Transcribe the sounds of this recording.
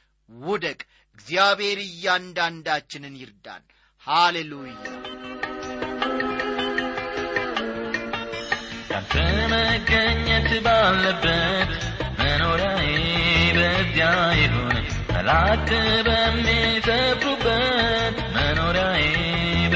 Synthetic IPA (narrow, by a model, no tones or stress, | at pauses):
wʊd̪əkʼ | ɨɡzijaβhe̞ɾɨjːand̪and̪at͡ʃːɪnɨnjɪɾd̪a̰n | halelujːa | ka̰nt̪ʰəməɡəɲːɛt̪balːəbːət̪məno̞ɾjajebəzijajɪɦon | bə̰lat̪ːbəmːisəɾːubːət̪məno̞ɾjaje